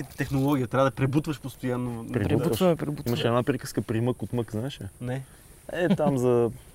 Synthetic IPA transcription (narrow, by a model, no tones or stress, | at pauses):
it̪ɛxnolˠɔɡ̟ʲijət̪ɾʲavɐəd̪ɐpɾɛbut̪vəʃpost̪ojanːopɾɛɾɛub̪uvəmɛpɾɛbutiiməʃɛd̪napɾɛkəskəpɾiməkot̪məkznaɛʃɛnɛ | ɛt̪amzɐ